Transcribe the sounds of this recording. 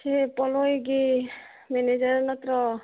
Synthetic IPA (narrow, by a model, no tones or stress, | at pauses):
sepɔlojɡi | mened͡ʒaɾnɔt̪ɾɔ